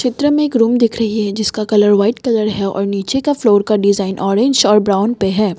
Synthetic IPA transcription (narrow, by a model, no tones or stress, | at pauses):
ʃɪt̪ɾəmẽeːkɾuːmd̪ɪkʰɾɐɦiɦɛd͡ʒɪskakɐləɾʋaːɪʈkɐləɾɦɛɔ̰ːɾniːt͡ʃekafloːɾkaɖɪzaːɪnʔɔːɾẽɲd͡ʒɔːɾbɾaːʊnpeɦɛː